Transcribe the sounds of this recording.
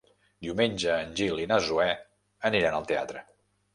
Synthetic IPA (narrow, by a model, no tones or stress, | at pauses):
d̪iumenʲd͡ʒəːnʲʒilinazuɛ | əniɾanəlˠt̪ea̰t̪ɾə